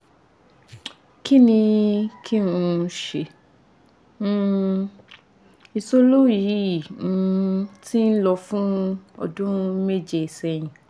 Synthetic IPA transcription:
ki˦nĩ˧kʰi˦ũ˧˨˧ʃe˨˦ | i˧so˦lo˦˨ji˨˦i˨ũ˦ti˦n̩˦lɔ˧fũ˦ɔ̰˧dũ˦me˦˨d͡ʒe˨i˨sɛ˧˨j̃ĩ˨

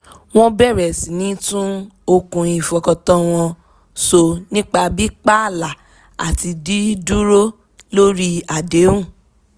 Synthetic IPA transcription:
w̃ɔ̃˦bɛ˦˨ɾɛ˨si˨nĩ˨˦tũ˦o˧kũ˧i˨fɔ˧kɔ˧tɔ̃˦w̃ɔ̃˧ | so˧nĩ˦k͡pa˧bi˦k͡pa˦a˦˨la˨ | a̰˨ti˧di˦du˦ɾo˦ | lo˦ɾi˦a˨de˨˦ũ˦˨

